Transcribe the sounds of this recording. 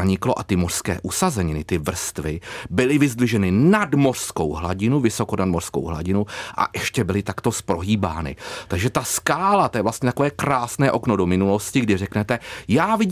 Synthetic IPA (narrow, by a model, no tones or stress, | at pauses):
aɲɪklo̞ʔat̪ɪmor̥skɛ̰ːʔusazɛɲɪnɪt̪ɪvr̩st̪vɪbɪlɪvɪzdlɪʒɛnɪnadmo̞r̥sko̞̰wɦla̰ɟɪnuvɪso̞ko̞nadmorsko̰wɦla̰ɟɪnuʔa̰ʔɛʃcɛbɪlɪt̪akt̪o̞spɾo̞ɦiːba̰ːnɪ̰t̪aɡʒɛt̪askaːlat̪ojɛvlast̪ɲɛt̪akovɛːkɾaːsnɛːʔo̞knodomɪnulo̞scɪɡdɪrɛknɛt̪ɛjaːvɪ